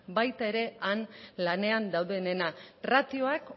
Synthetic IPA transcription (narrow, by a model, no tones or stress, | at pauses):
bajt̪ae̞ɾe̞anlane̞and̪awðe̞ne̞narat̪io̞ak